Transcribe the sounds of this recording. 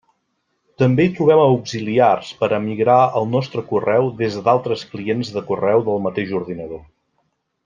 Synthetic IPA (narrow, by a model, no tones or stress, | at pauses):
t̪əmbeit̪ɾuβ̞ɛməuɡziliarspəɾʔəmiɣɾaəlˠnɔst̪ɾəkurɛwðezd̪alˠt̪ɾəsklienzðəkurɛwðəlˠmət̪eʒuɾðinəðo